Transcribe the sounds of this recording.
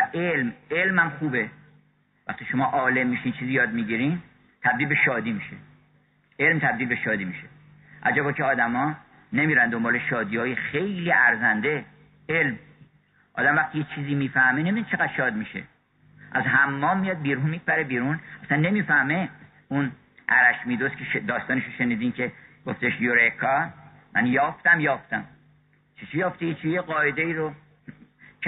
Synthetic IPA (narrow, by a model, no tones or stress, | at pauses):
æʔelmelmhæmχuːbe | væ̰χt̪iːʃo̞mɒːʔɒːle̞mːiːʃiːnt͡ʃʰiːzijɒːd̪̚miːɟiːɾin | t̪ʰæb̚d̪iːlbe̞ʃɒːd̪iːmiːʃe | ʔe̞lmt̪ʰæb̚d̪iːlbe̞ʃɒːd̪iːmiʃe | ʔæd͡ʒæbɒːkʰeɒːd̪æmɒː | nemiːɾænd̪ombɒːleʃɒːd̪iːhɒːjexe̞jliːʔæɾzænd̪e | elm | ʔɒ̰ːd̪æmvæxt̪iːjet͡ʃʰiːziːmiːfæhmenemid̪nt͡ʃʰe̞ɣæd̪̥ʃɒːd̪miʃḛ | ʔæzɦæmːɒːmːijɒd̪̚biːɾunmipæɾebiːɾunæsænːe̞miːfæhme̞ | un | ʔæ̰ɾæʃmiːd̪oskʰeʃd̪ɒːst̪ɒːneʃoʃeniːd̪iːncʰe̞ɡ̥oft̪eʃjoɾekʰːɒ | mʔænjɒːft̪æmjɒːft̪æm | t͡ʃʰit͡ʃʰijɒːft̪ejet͡ʃʰijeɢɒːed̪eiːɾo